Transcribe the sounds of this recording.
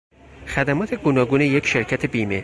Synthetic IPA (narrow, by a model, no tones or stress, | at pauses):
xæd̪æmɒːt̪ʰeɡonɒːɡuːnejecʰʃe̞ɾcʰæt̪ʰe̞biːme